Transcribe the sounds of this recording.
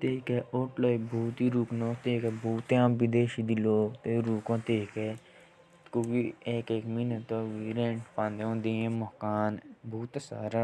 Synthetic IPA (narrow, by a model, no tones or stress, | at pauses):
t̪eːkɛːʔoːʈlɐibʱuːt̪iɾuːknoːt̪eːkɛbʱuːt̪eaːmbid̪eːʃid̪iloːɡt̪eɾuːkõt̪eːkɛ | kuɡieːkeːkminɐt̪oːʋiːɾẽɳʈpãnd̪eõːnd̪eẽmɔɦkaːnbʱuːt̪sa̰ːɾa